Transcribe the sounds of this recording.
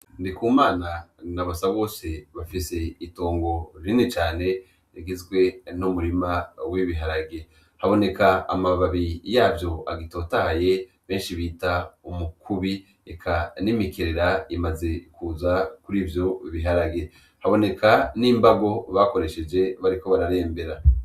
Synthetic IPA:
ndikuːmaːnanaβasaβo̞ːse̞βafise̞ito̞ːŋɡo̞ɾinit͡ʃaːne̞ | iɡizɡwe̞numuɾimawiβiɦaɾaɡe̞ | haβo̞ne̞kaamaβaβijaːbjo̞a̰ɡito̞ːtahaje̞ | βe̞ːnʃiβitaumukʰuβi | ekʰanimikʰeɾeɾaimaze̞kuzakuɾiːvjo̞iβiɦaɾaɡe̞ | haβo̞ne̞kaniːmbaɡo̞βako̞ɾe̞ʃe̞d͡ʒe̞βaɾiko̞βaɾaɾe̞ːmbe̞ɾa

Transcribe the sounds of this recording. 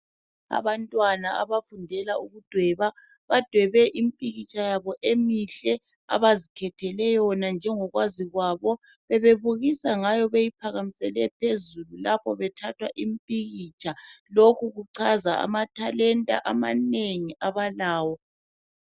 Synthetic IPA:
a̰βantʼwanaa̰βafundʱɛlauɣud̥ʱwɛβa | βad̥ʱwɛβɛʔim̩pʼiɣit͡ʃʼʰajaβɔʔemiɬɛ | a̰βazikʰɛtʰɛlɛjɔnand͡ʒʱɛŋɔɣwaziɣwaβɔ | βɛβeβuɣisaŋajɔβejipʰaɣamisɛlɛpʰezululapʰɔβɛtʰatʰwa̰ʔimpʼiɣit͡ʃʰʼalokʰuɣuǀʰaza̰a̰matʰalɛntʼa̰ʔamaneŋiʔaβalaːwɔ

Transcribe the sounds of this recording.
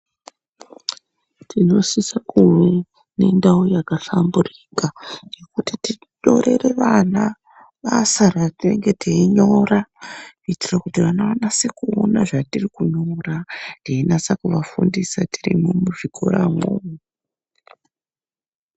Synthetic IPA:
tʰino̞sisakuwe | ne̞ndaojakaɬamburikaje̞kutiti | ɗo̞ɾe̞re̞ʋana | ʋasaratine̞ŋɡe̞teiɲo̞rakuitirakutiʋanaʋanase̞kuo̰naʐatirikuɲoraneinasakuʋafundisatirḭmumuʐikʰo̞̰ɾa̰ŋo̰ːmu

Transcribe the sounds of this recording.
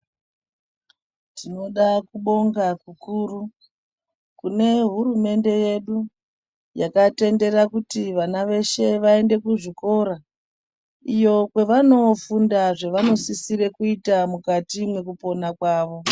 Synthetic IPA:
tino̞ɗakuɓo̞ŋɡakukuru | kune̞ɦuɾume̞nde̞je̞ɗu | jakate̞nde̞ɾakutiʋanaʋe̞ʃe̞ʋae̞nde̞kuʐiko̞ɾa | ijo̞kwe̞ʋano̞fundaʐe̞ʋano̞sisiɾe̞kuitamukatimwe̞kupo̞nakwaːʋo̞

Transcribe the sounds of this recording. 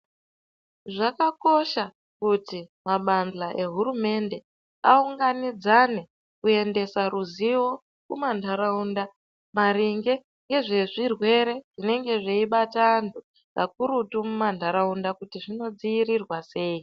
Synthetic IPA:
ʐakako̞ʃa | kutimaɓand͡ɮaʔe̞ɦuɾume̞nde̞ | auŋɡanid͡zane̞ | kue̞nde̞saɾuziwo̞ | kumandʱaɾaunda | kmaɾiŋɡe̞ | ŋɡe̞ʐe̞ʐirwe̞ɾe̞ʐine̞ŋɡe̞ʐeiɓatandu | kak̚uɾutumumandʱaɾaundakutiʐino̞d͡ziirirwase̞ːi

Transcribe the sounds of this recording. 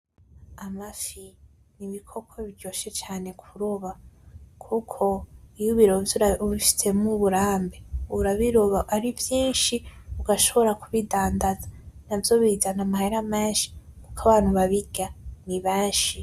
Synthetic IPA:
amafi | niβikʰo̞kʰwoβiɾɟo̞ːʃe̞t͡ʃaːne̞kʰuɾoβakʰukʰo̞ijuβiɾovβifi̥se̞muβuɾaːmbeuɾaβiɾoβaʔaɾivjiːnʃiuɡaʃo̞βo̞ɾakuβidaːndazanavjo̞βizanamaheɾameːʃi̥kukaβaːn̥huβaβiɡ̥aniβeːnʃi

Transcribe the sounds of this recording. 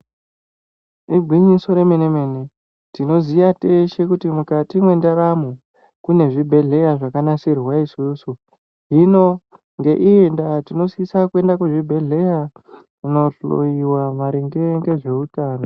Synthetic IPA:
ibʱwiɲiso̞ɾe̞menemene | tino̞ziʋate̞ʃe̞kutimukatimwe̞ndaɾamu | kune̞ʐibʱe̞ɮe̞jaʐakanasirwaisuːsu | ɦino̞ | ŋɡe̞ʔiendatino̞sisakue̞ndakweʐibʱe̞ɮe̞ja | ino̞ɬo̰iwamaɾiŋɡeŋɡe̞ʐe̞utaːno

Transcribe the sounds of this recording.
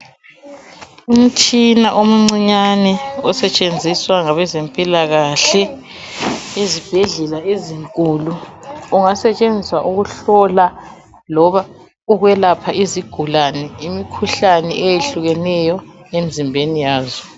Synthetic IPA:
um̩tʰinaʔom̩ŋ͡ǀiɲanɛɔsɛt͡ʃʼend͡zʱiswaŋaβɛzempʼilaɣaɬɛ | ezib̥ʱɛɮɛlaeziŋkʼuːluːŋasɛt͡ʃʼend͡zʱiswaʔuɣuɬɔla | lɔβa | uɣwɛlapʰaʔiziɡ̥ʱulanɛimikʰuɬanɛ̰ʔejeɬuɣɛnɛjɔnem̩zimbʱenijaːzɔ

